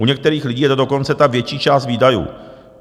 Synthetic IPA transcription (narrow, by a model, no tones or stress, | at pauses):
ʔuɲɛk̚t̪ɛɾiːxlɪɟiːjɛt̪odo̞ko̞nt͡sɛt̪avjɛt͡ʃiːt͡ʃaːst̪viːdajṵː